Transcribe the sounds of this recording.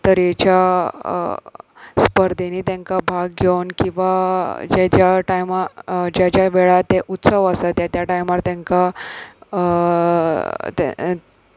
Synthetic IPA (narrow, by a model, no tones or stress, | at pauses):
t̪əɾjet͡ɕa | spəɾd̪ʱeniːt̪jãŋkabʱaɡɡʱewnkĩw̃ʋad͡ʑet͡ɕjaʈajmad͡ʑat͡ɕjaʋeɭat̪eʔut̪səʋəsat̪jat̪jaʈajmaɾt̪jãŋka | t̪